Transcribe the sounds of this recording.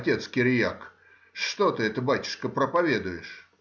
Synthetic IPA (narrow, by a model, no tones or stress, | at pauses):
tʲe̞t̪skʲɪɾʲjak | ʂt̪ot̪ɨɛt̪əbatʲɪ̥ʂkəpɾəpɐvʲed̪ʊjɪʂ